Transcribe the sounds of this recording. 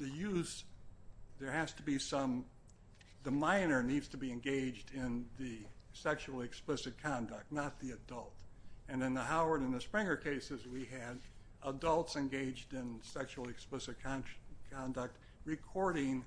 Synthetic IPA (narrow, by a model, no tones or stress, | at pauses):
ðɨjʉz̥ | ðə˞hæz̥təbisʌ̃m | ðəmãɪ̃nə˞nidz̥tʰəbiɨ̃nɡeɪd͡ʒdɪ̃nðɨsɛkʃul̩ˠɨksplɪsɨt̚kʰɑ̃ndək̚tⁿnət̪̚ðiɨdʌlˠtɨ̃nɨ̃nðəhaʊə˞ɾɨ̃nðɨspɹɪ̃ŋə˞kʰeɪsɨzwiɨɾ | ədʌlˠtsɨ̃nɡeɪd͡ʒdɪ̃nsɛkʃul̩ˠɨksplɪsɨt̚kʰɑkʰɑ̃ndək̚t̚ | ɹɨkʰɔɹɾɪ̃ŋ